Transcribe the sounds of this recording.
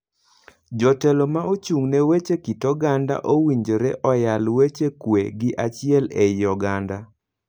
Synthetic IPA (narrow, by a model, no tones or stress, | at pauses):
d͡ʒɔtɛlomaot͡ʃuŋnewet͡ʃekitɔɡanda̰ʔowiɲd͡ʒoɾeʔɔjalwet͡ʃekwḛɡɪʔat͡ʃɪɛlɛjɔɡanda